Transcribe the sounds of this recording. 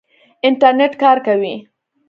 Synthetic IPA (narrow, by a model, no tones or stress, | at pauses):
ɪɳʈaɾneʈkɑɾkawi